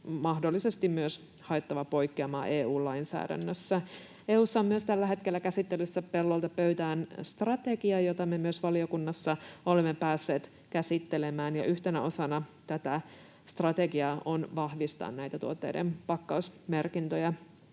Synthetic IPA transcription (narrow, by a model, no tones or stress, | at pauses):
mɑhdolːise̞st̪immyøs | hɑet̪ːɑʋɑpo̞jkːeɑmɑ̰ːʔeːuːllɑinsæ̰ːdæ̰nːøsːæ | eːuːsːɑommyøst̪ælːæɦe̞t̪kelːækæsit̪ːelysːæpelːolt̪ɑpøɥt̪æːnst̪rɑt̪e̞ɡiɑjot̪ɑmemyøsʋɑlio̞kunːɑsːɑolemːepæːsːe̞ːt̪ | kæsit̪ːelemæːnjɑ̰ʔyht̪enæo̞sɑnɑt̪æt̪æ | st̪rɑt̪e̞ɡiɑonʋɑhʋist̪ɑ̰ːnnæjt̪æt̪uot̪ːḛːdḛmpɑkːɑusmerkint̪øjɑ